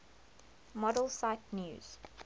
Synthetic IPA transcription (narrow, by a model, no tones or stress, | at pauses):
mɔdəlˠsaɪtnjṵːz̥